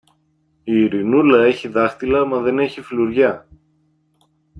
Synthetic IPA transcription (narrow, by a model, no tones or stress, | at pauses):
iːɾinulɐe̞çiðɐxt̪ilɐmɐðe̞ne̞çifiluɾʝɐ